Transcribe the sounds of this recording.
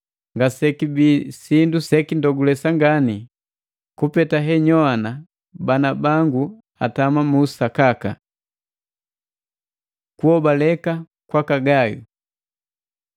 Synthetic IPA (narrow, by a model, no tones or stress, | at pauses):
ŋɡasɛkibisindusɛkindɔɡulɛsaŋɡani | kupɛtaɦɛɲɔana | banabaŋɡu | a̰tamamuːsakaka̰ | kuhɔbalɛka | kwakaɡajṵ